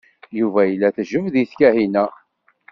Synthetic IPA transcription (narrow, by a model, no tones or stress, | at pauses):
juvæjəlːæθʒəvðiθkæhinæ